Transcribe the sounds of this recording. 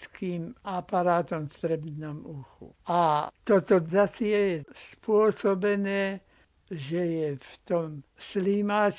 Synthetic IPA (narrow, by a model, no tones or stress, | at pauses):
skiːmapaɾaːt̪ɔmst̪ɾɛbnɔmuxṵʔat̪ɔt̪ɔzasɪɛjɛspʊɔsɔbɛnɛː | ʒɛjɛft̪ɔmslimaːt͡ʃ